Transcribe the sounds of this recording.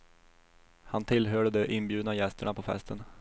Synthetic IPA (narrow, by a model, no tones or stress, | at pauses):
hant̪ʰɪlɦœːɖəd̪ɛʔɪnbjʉːd̪najɛst̪ʰəɳapʰɔfɛ̰st̪ən